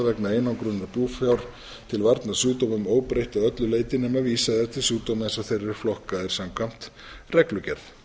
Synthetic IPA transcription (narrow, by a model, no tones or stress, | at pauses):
vɛknaejnawŋkɾʏnːapjuːfjawɾ̥ | t̪ʰɪlvaɾt̪nasuːt̪omʏmoːwpɾejht̪aœt̪lʏleːjt̪ɪnɛmaviːsaðɛ̥t̪ʰɪlsuːt̪omɛnsawθejrːɪɾ̥flɔhkaɛɾ̥samkʰam̥t̪ | rɛklʏcɛɾθ